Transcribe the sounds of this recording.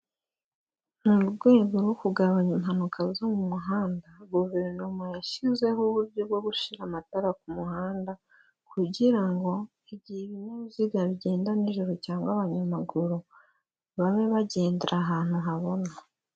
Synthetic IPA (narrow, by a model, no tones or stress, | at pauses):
nuɾuɡwe̞ːɡoɾukuɡaβaɲimhanukʰazomumuɦaːndaɡuβe̞ɾnumojaʃizwe̞hoβuɾɟo̞bɡo̞ɡuʃiɾamataɾak̚umuhaːnda | kuɟiɾaŋɡo̞ | iβɟiiβinoβuziɡaβiɟe̞ːndaniʒuɾo̞caːŋɡwaβaɲamaɡuɾu | βaβe̞βaɟe̞ːndiɾʔaɦaːn̥uɦaβo̞na